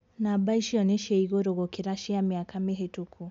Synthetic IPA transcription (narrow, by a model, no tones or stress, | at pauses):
nabaiʃiɔneʃeiɣoɾoɣokiɾaʃiamiakameɦetukʰu